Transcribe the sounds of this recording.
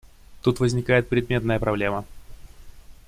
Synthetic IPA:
t̪ut̪vəzʲnʲɪkajɪt̪̚pɾʲɪd̪mʲe̞t̪nəjəpɾɐblʲe̞mə

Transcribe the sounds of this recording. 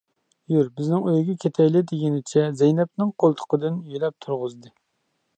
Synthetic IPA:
jyɾbɪznɪŋøjɡʲɛkʲʰet̪ʰɛjlɪd̪ɪɡʲɪnɪt͡ʃʰɛzɛjnɛp̚nɪŋqʰolˠt̪ʰə̥qəd̪ɨnjylɛp̚t̪ʰuɾʁʊzd̪ɨ

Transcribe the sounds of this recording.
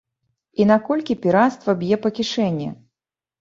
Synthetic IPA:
inakɔlʲkʲipʲiɾast̪vɐbʲjɛpɐkʲiʂɛnʲːɛ̰

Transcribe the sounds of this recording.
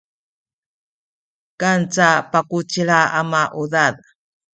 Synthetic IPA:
kant͡sapakut͡ɕiɭaamaʔuðað

